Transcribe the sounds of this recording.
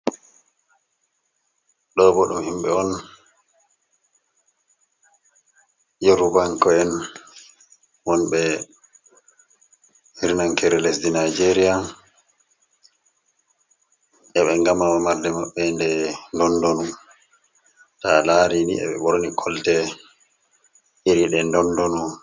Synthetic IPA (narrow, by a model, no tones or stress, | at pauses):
ɗɔbɔɗumhimɓɛɔn | jɛɾubaŋkɔɛn | wɔnɓɛ | hiɾnaŋkɛɾɛlesdinajd͡ʒeɾija | ʔɛɓɛŋɡamamamaɾdɛmaɓːɛndɛndɔndonu | talaɾinḭɛ̰ɓɛ̰ɓɔɾonikʰɔltɛ | ʔiɾiɗɛndɔndonu